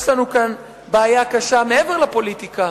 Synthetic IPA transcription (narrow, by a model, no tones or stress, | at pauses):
slanukan | baːjakaʃameeveʁlapo̞lit̪ika